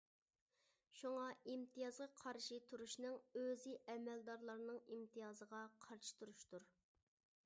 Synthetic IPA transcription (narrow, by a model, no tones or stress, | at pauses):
ʃuŋɑimt̪ʰijɑzʁɑqʰɑɾʃit̪ʰuɾuʃnɨŋøzɪʔɛmɛld̪ɑɾlˠɑɾnɨŋimt̪ʰijɑːzəʁɑqʰɑɾʃi̥t̪ʰuɾuʃt̪uɾ